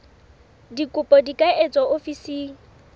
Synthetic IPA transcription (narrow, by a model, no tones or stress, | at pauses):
dikʼʊpʼɔdikʼaʔet͡sʼɔofisiːŋ̩